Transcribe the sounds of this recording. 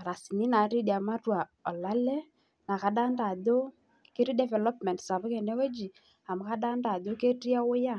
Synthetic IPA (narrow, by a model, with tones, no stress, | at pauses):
a˨ɾa˨si˨ni˦na˨˦ɾi˦di˨a˨ma˦twa˨ | ɔ˨la˦lɛ˦ | na˨ka˨˦ɗa˦nda˨ðo˦ | kɪ˦ɾi˦dɛ˨vɛ˨lɔ˦pmɛ˨ntsa˨βʊ˦kɛ˨nɛ˦we˦d͡ʒi˨ | a˨mʊ˨˦ka˦ɗa˦nda˨ðo˦ke˦ti˦a˦ʊ˦ja˦˨